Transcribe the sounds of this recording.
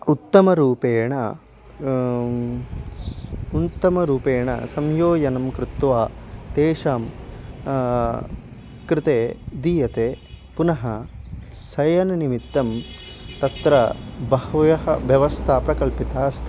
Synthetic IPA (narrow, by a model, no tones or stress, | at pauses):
ut̪ːɐmɐɾuːpeːɳɐ̰ | unt̪ːɐmɐɾuːpeːɳɐ̰sɐmjoːjɐnɐmkɾɪt̪ʋaːt̪eːʂaːm | kɾɪt̪eːd̪iːjɐt̪eː | punɐɦɐ | sɐjɐnɐnimit̪ːɐm | t̪ɐt̪ɾɐbɐɦɐjɐɦɐ̰ʋjɐʋɐst̪ʰaːpɾɐkɐlpit̪aːɐst̪ʰi